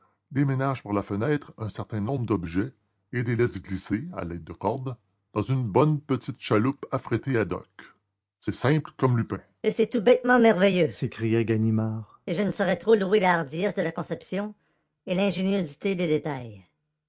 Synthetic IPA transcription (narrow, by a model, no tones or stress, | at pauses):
d̪emenaʒpaʁlafənɛːt̪χɛ̃sɛʁt̪ɛ̃nɔ̃bʁəd̪ɔbʒɛ | ed̪elɛsɡlisea̰lɛt̪̚ːəkɔʁd̪ | d̪̥ɑ̃zynbɔnpət̪it̪ʃalupafʁet̪ead̪ɔ̰k | sɛsɛ̃plkɔmlypɛ̃ | esɛt̪ubɛt̪mɑ̃mɛʁvejøsekʁijaɡanimaːʁ | eʒənəsəʁɛt̪ʁoluelaːʁd̪ijɛsd̪əlakɔ̃sɛpsjɔ̃ | elɛ̃ʒenjozit̪ed̪ed̪et̪aj